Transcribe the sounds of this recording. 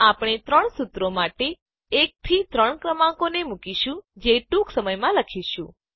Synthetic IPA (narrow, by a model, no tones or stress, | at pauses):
apɽ̃et̪ɾəɳsut̪ɾomaʈeː | k̚t̪ʰit̪ɾəɳkɾəmãkonemukiʃũd͡ʒeʈũksəməjmãləkʰiʃũ